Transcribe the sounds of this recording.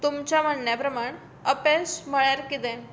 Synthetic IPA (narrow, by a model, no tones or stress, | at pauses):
t̪umt͡ɕamənːjapɾəmaɳ | əpesməɭjaɾkit̪ɛ̃